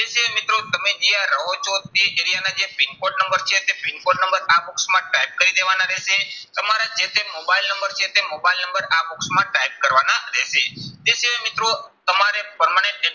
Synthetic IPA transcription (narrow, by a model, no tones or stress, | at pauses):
t̪eʃiamit̪ɾot̪əmed͡ʒiaɾəɦot͡ʃot̪̚iʔeɾijanad͡ʒepinkoɖnəmbəɾt͡ʃʰet̪epinkoɖnə̃mbəɾaboksmãʈaip̚kəɾid̪eʋanaɾɛʃet̪əmaɾad͡ʒet̪ʰemobailnəmbəɾt͡ʃʰet̪emobajilnə̃mbəɾabuksmãʈaip̚kəɾʋanaɾɛʃet̪eʃiɦamit̪ɾot̪əmaɾepəɾmanẽɳʈɖe